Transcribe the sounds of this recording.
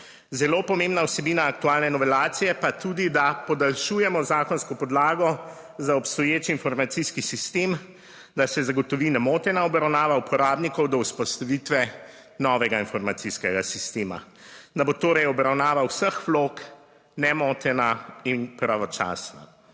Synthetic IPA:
zɛloːpɔmeːmbnawsɛbiːnaːk̚t̪uaːlnɛnɔʋɛlaːt̪sijɛpat̪uːd̪id̪apɔd̪alʃuːjɛmɔzaːkɔnskɔpɔd̪laːɡɔ | zaɔpst̪ɔjeːt͡ʃiːnfɔɾmat̪siskisist̪em | d̪asɛzaɡɔt̪ɔʋiːnɛmoːt̪ɛnaɔbɾawnaːʋaupʰɔɾaːbnikɔwd̪ɔuspɔst̪aʋit̪ʋɛ | nɔʋɛɡainfɔɾmat̪siskɛɡasist̪eːma̰ | d̪abot̪oːɾɛjɔbɾawnaːʋawsəxʋlok | nɛmot̪ɛnainpɾaʋɔt͡ʃa̰ːsna̰

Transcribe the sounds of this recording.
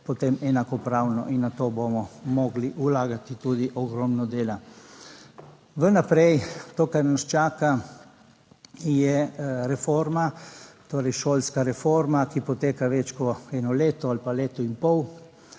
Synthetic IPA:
pɔt̪emɛnakɔpɾawnɔ̰ʔinːat̪oːbomɔmɔɡliʔulaːɡat̪it̪ud̪iʔɔɡɾɔmnɔd̪eːla | ʋənapɾɛjt̪oːkaɾnast͡ʃaːka | jɛɾɛfoɾmat̪oːɾɛjʃoːlskaɾɛfoɾmakipɔt̪eːkaʋɛt͡ʃkɔɛnɔleːt̪ɔalipaleːt̪ɔinpɔw

